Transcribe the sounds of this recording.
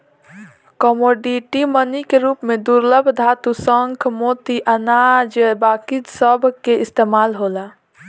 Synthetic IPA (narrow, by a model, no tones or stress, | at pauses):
kɔmoːɖiʈimənikeɾuːpmẽd̪uɾləbʱd̪ʱat̪usəŋkʰmoːt̪iʔənaːd͡ʒbaːkid̪səbʱkeɪst̪eːmaːlɦoːla